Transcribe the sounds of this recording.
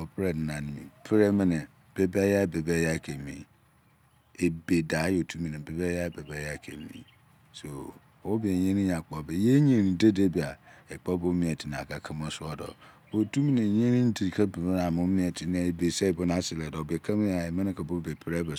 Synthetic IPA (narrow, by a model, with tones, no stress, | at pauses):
ɔ˨pʰɾɛ˦˨dnã˨nɪ̃˨mḭ̃˨pʰɾɛ˦mɪ̃˦nɪ̃˨ | b̥e˨bɛ˦ja˦˨be˨bɛ˦ja˦˨kʰe˨mḭ̃˨ | e˨be˨da˨˦jo˨tʰu˦mĩ˨nɪ̃˨be˨bɛ˦ja˦˨be˨bɛ˦ja˦˨kʰḛ˨mḭ̃˨ | so˨ | wo˦be˨ɲẽ˦nĩ˦ɲã˨k͡pɔ˨be˨je˦ɲ˦ẽ˨nĩ˨de˦de˦bi˨a˨e˨k͡pɔ˦bo˦mĩ˦ɛ˨tʰi˨ñ˨a̰˨kʰa˨kʰã˦m˦a˦sʊ˦ɔ˦dɔ̰˨ | o˨tʰu˦mĩ˨nɪ̃˨˦ɲẽ˦nĩ˦n̩˦di˨ɾi˨kʰa˦be˨m˦n˨a˨mʊ̃˦mĩ˦ɛ˨tʰɪ˨nã˦e˨be˨sɛ˦˨bʊ˦nã˦sɪ˨lɛ˨dɔ˨be˨kʰa˦m˦a˨e˨mɪ̃˦ɪ̃˦kʰa˨bo˦be˨pʰɾɛ˦bɛ˨